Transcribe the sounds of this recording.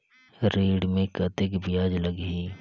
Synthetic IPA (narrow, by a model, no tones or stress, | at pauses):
ɾeːɽmẽkɐt̪ɪkbɪjaːd͡ʒləɡɦiː